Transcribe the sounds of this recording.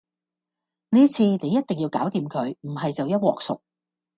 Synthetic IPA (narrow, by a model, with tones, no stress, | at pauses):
niː˥t͡sʰiː˧ne˨˧jːɐ˥t̚t̪ɪ˨ŋjiː˧wkaː˨˥wt̪iː˨˧mkʰɵ˨˧ɥm̩˨˩ɦɐ˨jt͡sɐ˨wjɐ˥t̚wɔ̰ː˨k̚sʊ̰˨k̚